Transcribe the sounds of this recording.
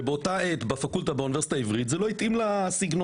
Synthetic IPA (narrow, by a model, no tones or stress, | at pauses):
beot̪aet̪bafakult̪abeunive̞sit̪aivʁit̪zeloit̪ʔimlasiɡno